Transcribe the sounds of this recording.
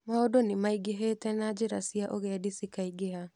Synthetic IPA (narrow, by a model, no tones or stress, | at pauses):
maodonɪmaiɡeɦeːtɛnad͡ʒɪɾasiaʔoɣɛadisikaiɡeɦa